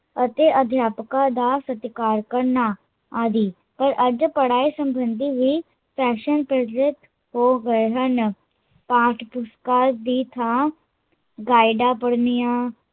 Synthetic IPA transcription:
ət̪eːʔəd̪ʱjaːpkad̪aːsət̪ɪkaːɾkəɾna | aːd̪iː | pəɾʔəd͡ʒpəɽaːisəmbənd̪ʱiʋiː | pɛːʃənpɾət̪ɾɪt̪ | ɦoːɡəeɦən | pãːʈʰpʊskaːɾd̪iːt̪ʰãː | ɡaːɪɖaːpəɽnijãː

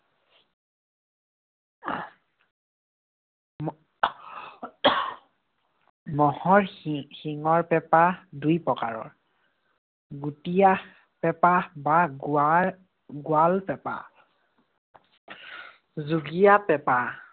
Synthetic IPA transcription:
mɔhɔɹxiŋɔɹpɛpadujpɹɔka̰ɹɔ̰ɹ | ɡutija | pɛpaba | ɡualpɛpa̰ | zuɡijapɛpa

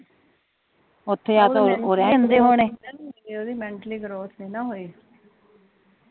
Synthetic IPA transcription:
ʊt̪ʰːeːjaːt̪oːɾãənd̪eːɦoːɳẽːioːd̪iːmɛ̃ɳʈəliːɡɾoːsʰnĩːnaːɦoːiː

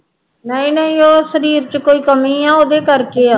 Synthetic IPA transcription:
nəĩːnəĩːoːsəɾiːɾt͡ʃəkoːiːkəmĩːaːoːd̪eːkəɾkeːa

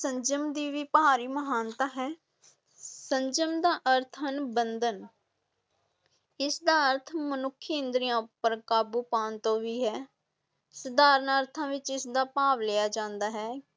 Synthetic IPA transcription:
sə̃ɲd͡ʒəmd̪iːʋiːpəɦaːɾiːməɦaːnt̪aːɦɛː | səɲd͡ʒəmd̪aːʔəɾt̪ʰənbənd̪ən | ɪsd̪aːəɾt̪ʰmənʊkʰːiə̃nd̪ɾijãːpəɾkaːbuːpaːnt̪õːʋiːɦɛː | səd̪aːɾənəɾt̪ʰãːʋɪt͡ʃɪsd̪aːpaːʋleːjaːd͡ʒãːnd̪aːɦɛː

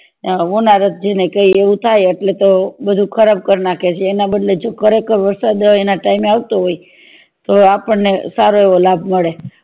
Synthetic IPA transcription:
əʋonaɾət̪̚d͡ʒenekəieʋũt̪ʰajəʈlet̪obəd̪ʱukʰəɾab̚kəɾnakʰet͡ʃʰeːnabəd̪led͡ʒokəɾekəɾʋəɾsad̪enaʈaimeaʋt̪oɦoj | t̪oapəɳnesaɾoeʋolabʱməɭe

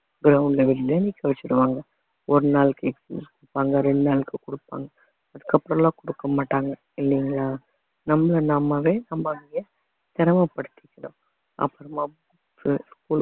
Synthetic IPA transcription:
ɡɪɾɐʊɳɖlɛʋɛɾɪleːniːkːɐʋɛt͡ʃːɪɾɯʋaːŋɡɐ | ɔɾɯnaːlɯkːɯɛksplṵːskʊɽɯpːaːŋɡɐɾɛɳɖɯnaːlɯkːɯkʊɽɯpːa̰ːŋɡɐ | ɐðɯkːɐpːɯɾɐ̃mlãːkʊɽɯkːɐmaːʈːaːŋɡɐ | ɪlːɪŋɡɐlaː | nɐmːɐɭɐnɐmːɐʋeːnɐmːɐŋɡɪjɐ | t̪ɛɾɐmɐpɐɽɯt̪ːɪ̥kːɐɳʊ̰̃ | ʔɐ̰pːɐɾɐmab | ksskuːl

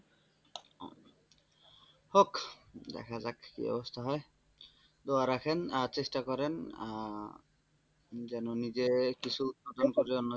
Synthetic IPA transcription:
hokd̪ɛ̰kʰazakkḭɔ̰bɔst̪ʰaɦɔj | d̪oaɾakʰɛnat͡ʃestakɔɾɛn | zɛnonizekisʰuut̪̚pad̪ʱɔnkoɾiɔnːɔ

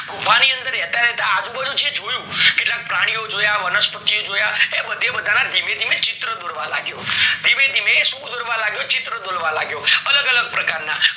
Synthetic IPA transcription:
bʱuʋaniənd̪əɾɛt̪aɾɛt̪aːd͡ʒũbəd̪ʱũd͡ʒed͡ʒojũkeʈlak̚pɾaɽ̃ijod͡ʒojaʋənəspət̪ijod͡ʒojaebəd̪ʱebəd̪ʱanad̪ʱimed̪ʱimet͡ʃɪt̪ɾəd̪oɾʋala̰ɡjod̪ʱiʋed̪ʱimesukd̪ʱoɾʋalaɡjot͡ʃɪt̪ɾəd̪oɾʋalaɡjoələɡələɡ̚pɾəkaɾna

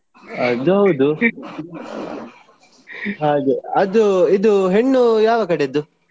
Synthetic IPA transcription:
ɐnd̪uɦɐwd̪u | ɦaːɡeɐd̪uid̪uɦeɳːujaːʋɐkɐɽeid̪u

